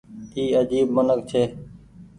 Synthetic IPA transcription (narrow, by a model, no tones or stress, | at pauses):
iːəd͡ʒiːbmənək̚t͡ʃʰeː